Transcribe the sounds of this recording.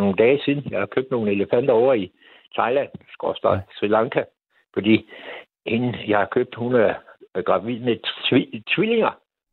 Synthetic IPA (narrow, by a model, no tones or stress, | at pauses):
no̝ːn̩d̥ɛːsiðˠn̩jɑ̈ɪhɑ̈kʰøːb̥̚no̝ːn̩e̝ləfæn̰d̥ɐɒʊ̰ɐi | t͡sʰɑ̈ɪlæn̰sɡ̥ɒ̰sd̥ɐsʁilɑ̈ŋkʰæ | fɒd̥ḭː | hinn̩jɑ̈ɪhɑ̈kʰøb̥̚d̥hunæɐɡ̥ʁɑ̈ʋið̰ˠmeit͡sʰʋile̝ŋɐ